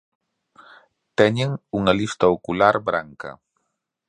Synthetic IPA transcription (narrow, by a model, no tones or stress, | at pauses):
t̪ɛɲeŋuŋɐlist̪ɐokulaɾbɾaŋkɐ̰